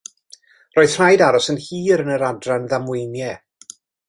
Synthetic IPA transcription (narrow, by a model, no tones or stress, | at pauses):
roːɨð̥r̥ajdaɾɔsənhiːɾənəɾadranðamwɪjnjɛ